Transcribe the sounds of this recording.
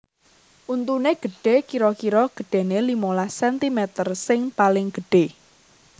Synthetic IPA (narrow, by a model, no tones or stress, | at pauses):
ʔunt̪uneɡ̥ə̤ɖ̥e̤kiɾɔkiɾɔɡ̥əɖ̥e̤nelimolahsɛnt̪imɛt̪ərsɪŋpalɪŋɡ̥əɖ̥e